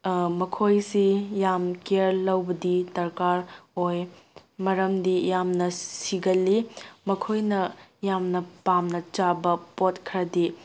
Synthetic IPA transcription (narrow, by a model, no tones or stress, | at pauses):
mɐkʰojsijamkeɾlɐwbɐdidɐɾkaɾoj | mɐɾɐmdijamnɐsiɡɐlːimɐkʰojnɐjamnɐpamnɐt͡ʃabɐpot̚kʰɾɐdi